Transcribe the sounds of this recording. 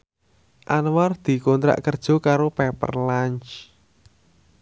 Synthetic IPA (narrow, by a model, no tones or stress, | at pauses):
ʔanward̪̥i̤kont̪ɾa̰ʔkərd̥ʒ̥o̤kaɾopɛpə̰rlaɲt͡ʃ